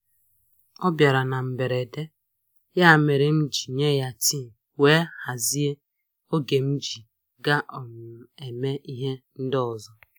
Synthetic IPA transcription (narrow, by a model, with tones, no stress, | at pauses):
ɔ˦bja˨ɾa˨na˨m̩˨be˨ɾe˨de˦ | ja˦a˨me˨ɾe˨m̩˦d͡ʒi˨ɲe˦ja˦ti˦˨ | we˦ha˨zi˦e˦ | o˦ɡe˨m̩˦d͡ʒi˨ | ɡa˦ʔɔ˨mʊ˨e˨me˦i˦ɦe˦n̩˦dɪ˦ɔ˨zɔ˦